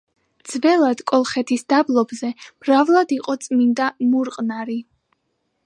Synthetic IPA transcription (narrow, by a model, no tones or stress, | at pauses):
d̪z̥vɛlˠad̪̥kʼɔlˠχɛt̪ʰisd̪ablˠɔbzɛmɾavlˠad̪iqʼɔt̪sʼmind̪amuɾqʼnaɾi